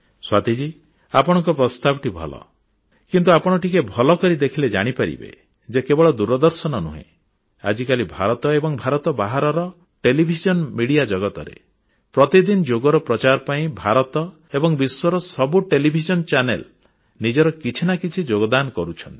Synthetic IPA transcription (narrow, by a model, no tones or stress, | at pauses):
swat̪id͡ʒi | apɔɽ̃ɔ̃ŋkɔpɾɔst̪abɔʈibʱɔ̰lɔ̰ | kint̪uapɔɽ̃ɔʈikebʱɔlɔkɔɾid̪ekʰiled͡ʒa̰ɽ̃ipaɾḭbḛ | d͡ʒekebɔɭɔd̪uɾɔd̪ɔɾsɔnɔnṵɦḛ̃ | a̰d͡ʒikalibʱaɾɔt̪ɔebɔŋbʱaɾɔt̪ɔbaɦaɾɔɾɔ | ʈelibʱid͡ʒɔnmiɽijad͡ʒɔɡɔt̪ɔɾḛ | pɾɔt̪id̪ind͡ʒoɡɔɾɔpɾɔt͡ʃaɾɔpaĩbʱaɾɔt̪ɔ | ebɔŋbiswɔɾɔsɔbuʈelibʱid͡ʒɔnt͡ʃanḛl | nid͡ʒɔɾɔkit͡ʃʰinakit͡ʃʰid͡ʒoɡɔd̪ankɔɾut͡ʃʰɔnt̪ii̥